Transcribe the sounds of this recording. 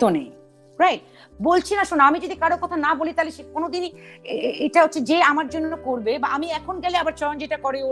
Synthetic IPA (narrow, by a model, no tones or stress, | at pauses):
t̪onej | ɾajʈ̚ | bolt͡ɕʰinaʃonamid͡ʑod̪ikaɾokɔt̪ʰanabolit̪aleʃekonod̪inieʈaɦotːɕʰed͡ʑeamaɾd͡ʑonːokoɾbebaʔamiɛkʰonɡɛleabaɾt͡ɕɔɾond͡ʑeʈakɔɾe